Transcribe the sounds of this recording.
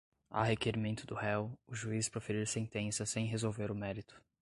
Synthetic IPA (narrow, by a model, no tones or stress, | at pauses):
a̰ɦekeɾimẽnt̪ʊd̪ʊhɛwʊʒuispɾofeɾiɾsẽnt̪ẽsɐsẽj̃ɦezowveɾʊmɛɾit̪ʊ̥